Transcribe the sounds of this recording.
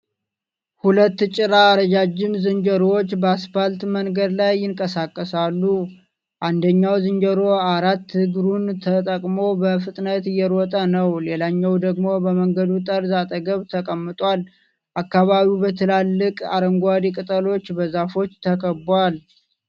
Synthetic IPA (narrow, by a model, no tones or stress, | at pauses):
hulət̪ːt͡ʃʼɪɾaːɾəd͡ʒad͡ʒːɪmzɨɲd͡ʒəɾwot͡ʃːbəasfalt̪məŋɡəd̪lajːɪŋkʼəsakʼːəsalːu | ʔand̪əɲːawzɨnd͡ʒəɾo̞aɾat̪ːhɨɡɾunt̪ʰət̪ʼəkʼmo̞bəfɨt̪ʼnət̪ɨjːɛɾɔt̪ʼənəwlelaɲːɛwd̪əɡmo̞bəməŋɡəd̪ut̪ʼəɾzat̪ʼəɡəβt̪ʰəkʼəmːɨt̪ʼwʷal | ʔakːaβaβiubət̪ʰəlalːɨkʼa̰ɾəŋɡʷad̪ikʼɨt̪ʼəlo̞t͡ʃːbəzafo̞t͡ʃːt̪ʰəkʰəbwal